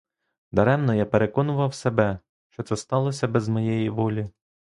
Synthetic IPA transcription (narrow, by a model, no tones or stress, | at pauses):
d̪ɐɾɛmnɔjapeɾekɔnʊʋɐwsebɛ | ʃt͡ʃɔt̪sɛst̪ɑlˠɔsʲɐbɛzmɔjɛjiʋɔlʲi